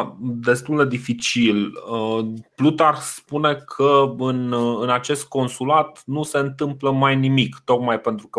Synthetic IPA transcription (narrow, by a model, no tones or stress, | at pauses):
d̪e̞st̪uld̪e̞d̪ifit͡ʃiləplut̪arspune̞kʰəɨnɨnat͡ʃe̞st̪̚ko̞nsulat̪nuse̞ɨnt̪ɨmpləmajnimikt̪o̞kmajpe̞nt̪ɾukə